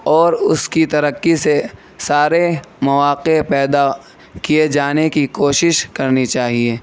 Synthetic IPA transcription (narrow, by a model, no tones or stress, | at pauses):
ɔːɾʊskit̪ɐɾəkːise | saːɾemɐʋaːqepɛːd̪a | kijed͡ʒaːnekikoːʃɪʃkɐɾnit͡ʃaːɦieː